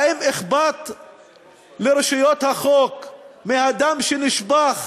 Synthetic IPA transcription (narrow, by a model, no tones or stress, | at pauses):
emeχbat̪ | leɾeʃujot̪haχokmihad̪amʃeniʃbaχ